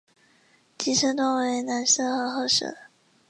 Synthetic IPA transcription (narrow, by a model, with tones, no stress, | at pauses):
t͡ɕi˧˥ʈ͡ʂʰɤ˥t̪ʊ˥ŋwe˧˥ɪna˧˥nʂɤ˥xɤ˧˥xɤ˥ʂɤ̰˨˩˦